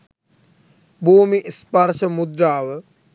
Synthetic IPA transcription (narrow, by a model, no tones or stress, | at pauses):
bʱuːmiʔispaɾʃəmud̪ɾaːʋə